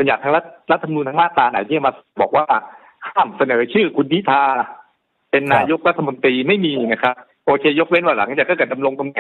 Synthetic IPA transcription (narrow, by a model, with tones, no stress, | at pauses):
ba˧njaː˨˩k̚t̪ʰa˦˥ɾa˦˥t̪̚ɾa˦t̪ʰːa˧m˧nuː˧nt̪ʰa˦˥maː˥˩t̪ɾaː˧na̰ː˨˩˦zi˥˩˥maː˧s̚bɔ̰ː˨˩k̚waː˥˩ | kʰaː˥˩msa˧nɤː˩˦t͡ɕʰɯː˥˩kʰu˧ndi˦˥t̪ʰaː˧ | pe˧nːaː˧jo˦˥k̚ɾa˦˥t̪ʰːa˧mo˧nt̪ɾiː˧ma˥˩jmiː˧na˦˥kʰɾa˦˥p̚ | ʔoː˧kʰeː˧jo˦˥k̚we˦˥nwaː˧˩la̰˩˦ŋt͡ɕaː˨˩kːɔː˥˩kɯː˧˩t̚da˧mlo˧ŋt̪o˧ŋa˨˩